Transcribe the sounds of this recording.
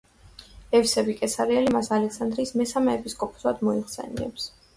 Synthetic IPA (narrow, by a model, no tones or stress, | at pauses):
ɛfsɛbikʼɛsaɾiɛlimasalɛksand̪ɾiːsmɛsamɛːpʰiskʼɔpʰɔ̥sad̪mɔiχsɛ̰nḭɛ̰ps